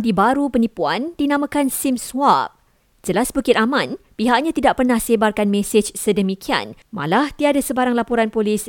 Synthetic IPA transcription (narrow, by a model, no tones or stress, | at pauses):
dibaɾupənĩpuandinãmə̃kansimswap̚ | d͡ʒəlasbəkɪt̪̚amãnpiɦaʔɲãt̪idaʔpərnahsebarkanmɛsed͡ʒsədəmikʰia̰nmã̰laht̪iadasəbaɾaŋlapoɾanpolis